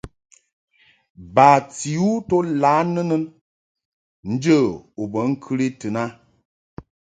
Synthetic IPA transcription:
baː˨t͡si˨u˦to˦la˨˦nə˦nə˦n | n̩˦d͡ʒə˦˨o˨bə˨˦ŋ̩˦kʰɨ˦ɾi˦tɨ˨na˦

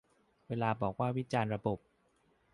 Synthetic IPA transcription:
weː˧laː˧bɔː˨˩k̚waː˥˩wi˦˥t͡ɕaː˧nɾa˧bo˨˩p̚

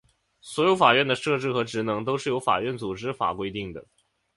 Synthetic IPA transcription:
swɔ˧˥jo˧˥ʊfa˨˩ɥɛ˥˩nd̪ə˩ʂɤ˥˧ʈ͡ʂɻ̩˥˩xɤ˧˥ʈ͡ʂɻ̩˧˥nɤ˧˥ŋt̪̬o˥ʊʂɻ̩˥˩jo˧˥ʊfa̰˨˩ɥɛ˥˩nt͡su˨˩ʈ͡ʂɻ̩˥fa̰˨˩kwe˥ɪt̪i˥˩ŋd̪ə̰˩

